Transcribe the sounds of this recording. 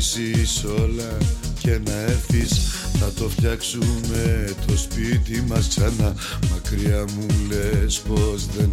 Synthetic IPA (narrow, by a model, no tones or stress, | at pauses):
siso̞lɐce̞nɐe̞ɾθisθɐt̪o̞fçɐksume̞t̪ʰo̞spit̪imɐsksɐnɐ | mɐkɾiɐmule̞spo̞zðe